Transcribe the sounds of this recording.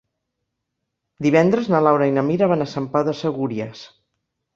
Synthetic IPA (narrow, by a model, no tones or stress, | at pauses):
d̪iβɛnd̪ɾəznəlawɾainəmiɾaβanasəmpaðəsəɣuɾiəs